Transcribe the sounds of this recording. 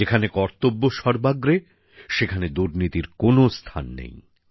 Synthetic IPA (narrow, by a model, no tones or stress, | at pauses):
ekʰanekɔɾt̪obːoʃɔɾbaɡɾe | ʃekʰaned̪uɾnit̪iɾkonost̪ʰa̰nːḛj